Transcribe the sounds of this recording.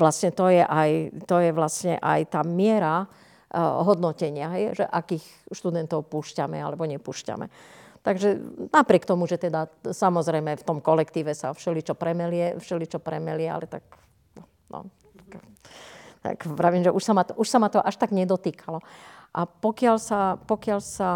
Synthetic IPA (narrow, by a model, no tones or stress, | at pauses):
ʋlasɲɛt̪ɔjɛʔajt̪ɔjɛʋlasɲɛ̰ʔa̰jt̪aːmɪɛɾa | ɦɔd̪nɔcɛɲɪaɦɛjʒɛʔakiːx | ʃt̪ud̪ɛnt̪ɔʊpuʃcamɛ̰a̰lɛbɔɲɛpuːʃca̰mɛ̰t̪aɡʒɛnapɾɪɛk̚t̪ɔmuʒɛt̪ɛd̪asamɔzɾɛjmɛft̪ɔmkɔlɛkt̪iːʋɛsa̰fʃɛlit͡ʃɔpɾɛmɛlɪɛfʃɛlit͡ʃɔpɾɛmɛlɪɛa̰lɛt̪a̰k̪ | ɔ | nɔ̰ | t̪ḁk | t̪a̰kpɾaʋiːmʒɛʔuʃsamat̪ʔuʃsamat̪ɔʔaʃt̪aɡɲɛd̪ɔt̪iːkʰalɔʔapɔkɪalsapɔkɪalsa